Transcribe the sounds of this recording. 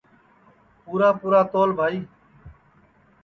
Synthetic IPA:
puːɾaːpuːɾaːt̪oːlbʱaːiː

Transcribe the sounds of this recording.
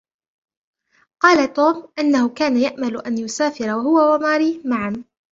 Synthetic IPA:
qɑːlat̪uːmʔɪnːahʊkaːnajaʔmalʊʔanjʊsaːfɪɾawahʊwawamaːɾiːmaʕam

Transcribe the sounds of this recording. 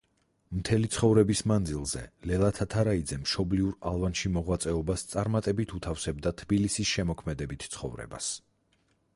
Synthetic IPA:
mt̪ʰɛlit̪sʰχɔvɾɛbismand̪zilˠzɛ̰lɛlˠat̪ʰat̪ʰaɾaid̪zɛmʃɔbliuɾalˠvanʃimɔʁwat̪sʼɛɔbast̪sʼaɾmat̪ʼɛbit̪ʰut̪ʰafsɛbd̪at̪ʰbilisisʃɛmɔkʰmɛd̪ɛbit̪ʰt̪sʰχɔ̰vɾɛ̰ba̰s

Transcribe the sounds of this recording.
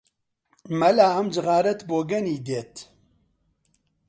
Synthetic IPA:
mɛlaːɐmd͡ʒɨɣaːɾɛt̪boːɡɛniːd̪eːt̪

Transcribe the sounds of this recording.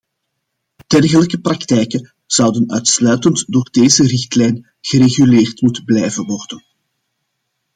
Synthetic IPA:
d̥ɛrɣələkəprɑktɛjkə | z̥ɑwdənœːtslœːɥtəntdoːrdeːzərɪxtlɛjn | ɣ̥əɾeɣyleːrtmutəblɛjvənʋɔrdən

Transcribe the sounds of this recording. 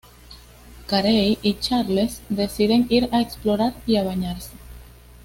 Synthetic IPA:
kaɾejʔit͡ʃaɾlesd̪esiðeŋiɾaeksploɾaɾiaβ̞aɲaɾse̥

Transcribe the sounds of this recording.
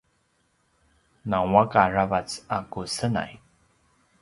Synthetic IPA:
nawakaravat͡sakusəna̰j

